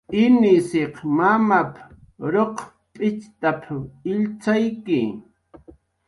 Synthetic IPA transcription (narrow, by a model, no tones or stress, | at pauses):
ɪnɪseqmamap | ɾoq | pʼɪt͡ʃt̪apɪʎt͡sajkɪ